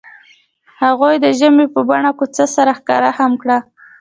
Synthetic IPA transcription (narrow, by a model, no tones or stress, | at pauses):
haɣojd̪əʒəmepəbaɳakot͡səsaɾaxkɑ̰ɾahamkɽa